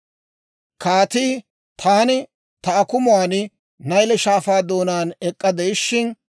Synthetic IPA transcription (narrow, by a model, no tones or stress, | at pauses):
kaːt̪iː | t̪ʰaːnɪ | t̪ɐɐkʊmʊwaːnɪ | nɐjlɛʃaːfaːd̪o̞ːnaːnɛkʼːɐd̪ɛɪʃːɪn